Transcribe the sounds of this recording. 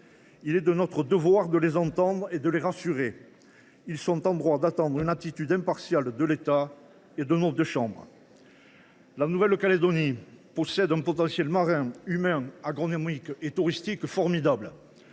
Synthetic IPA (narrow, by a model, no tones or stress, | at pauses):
ilɛd̪ənɔt̪χəd̪əvwaʁd̪əlezɑ̃t̪ɑ̃d̪ʁed̪əleʁasyʁe | ilsɔ̃t̪ɑ̃d̪ʁwad̪at̪ɑ̃d̪ʁynat̪it̪yd̪ɛ̃mpaʁsjald̪əlet̪a | ed̪ənɔ̃d̪əʃɑ̃bʁə̰ | lanuvɛlkaled̪ɔnipɔsɛd̪ɛ̃pɔt̪ɑ̃sjɛlmaʁɛ̃ymɛ̃aɡʁɔnɔmiket̪uʁist̪ikfɔʁmid̪abl